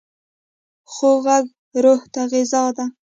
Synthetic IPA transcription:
χoɣaɡ | ɾoht̪aɣɪzɑd̪a

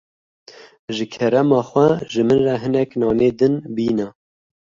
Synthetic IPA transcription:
ʒɨkʰɛɾɛmɑːxwɛʒɨmɨnrɛɦɨnɛknɑːned̪ɨnbiːnɛ

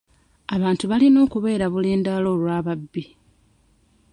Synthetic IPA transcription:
aβaːntuβalino̞ːkuβe̞ːɾaβule̞ːndalo̞ːlwaːβabːi

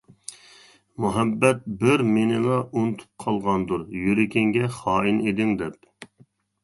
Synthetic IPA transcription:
muɦɛbːɛt̪̚bɪɾmenɪlˠɑʔunt̪ʰu̥p̚qʰɑlˠʁɑnd̪uɾjyɾɪkʲɪŋɡʲɛχɑːined̪ɪŋd̪ɛp

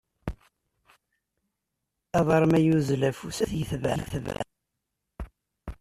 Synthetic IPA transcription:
ɑðˤɑɾˤmæjuzlæfusæθjəθvʕæθvʕæ̰

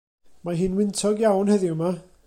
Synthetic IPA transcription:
maɦɨːnwɪntʰɔɡjawnhɛðɪʊma

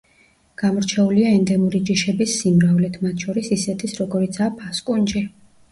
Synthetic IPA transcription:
ɡ̥amɔɾt͡ʃʰɛuliaɛnd̪ɛmuɾid͡ʒiʃɛbisːimɾavlɛt̪ʰmat̪ʰʃɔɾisisɛt̪ʰisɾɔɡɔɾit̪sʰaːpʰaskʼund͡ʒi

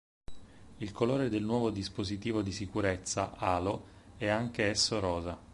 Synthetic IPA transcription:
ilkoloːɾed̪elnwɔːvod̪ispozit̪iːvod̪isikuɾet̪sːa̰ʔaːloɛaŋk̟eɛsːoɾɔːza

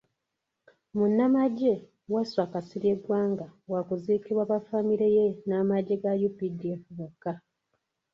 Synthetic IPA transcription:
munːamaɟe̞ | waswakasiɾjeɡwaːŋɡawakuziːkiβwaβafamiɾejenamaɟːe̞ɡajupidieːfuβakːa

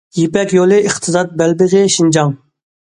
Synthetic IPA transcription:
jipɛkʲjolˠɨʔiχt̪ʰɨzɑt̪̚bɛlbɪzɪʃind͡ʒɑŋ

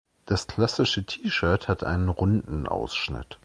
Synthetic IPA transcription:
d̥askl̥asɪʃətʰiːʃœɐthatʔa̰ɪnənʁʊndn̩ʔa̰ʊsʃnɪ̰t

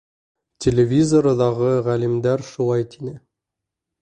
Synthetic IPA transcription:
tʲʰelʲevʲizoɾɤðɑʁɤʁælimd̪æɾʃulˠɑjt̪ʰinɘ

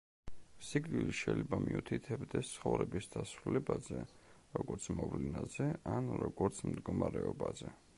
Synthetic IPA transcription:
siɡniliʃɛilɛbamiut̪ʰit̪ʰɛbd̪ɛst̪sʰχɔvɾɛbisd̪asɾulɛbazɛɾɔɡɔɾt̪sʰmɔvlinazɛanɾɔɡɔɾt̪sʰmd̪ɡɔmaɾɛɔbazɛ

